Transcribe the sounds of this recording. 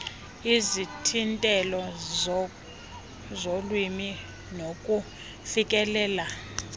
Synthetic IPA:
izitʰintʼɛlɔ | zolwimi | nokʼu | fikʼɛlɛːla

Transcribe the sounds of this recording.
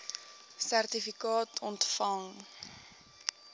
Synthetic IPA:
særtifikɑːtʰɔntfɐŋ

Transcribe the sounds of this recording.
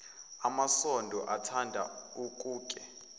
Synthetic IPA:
amasɔndʱɔʔatʰandʱa̰ukʼuːkʼɛ

